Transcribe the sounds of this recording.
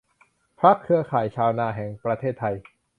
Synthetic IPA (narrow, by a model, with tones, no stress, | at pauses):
pʰɾa˦˥kʰːɯ˧ɐkʰaː˩˦jt͡ɕʰaː˧wnaː˧˩ɦɛː˩˦ŋpɾa˧t̪ʰeː˥˩t̪ʰːa˧j